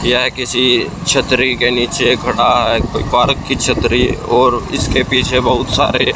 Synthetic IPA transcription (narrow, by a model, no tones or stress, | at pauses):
jəɦkɪsit͡ʃʰət̪ɾikeniːt͡ʃekɐɽaɦɛkoːipaːɾkːit͡ʃʰət̪ɾiɔːɾɪ̰skepiːt͡ʃʰebəɦʊt̪sa̰ːɾe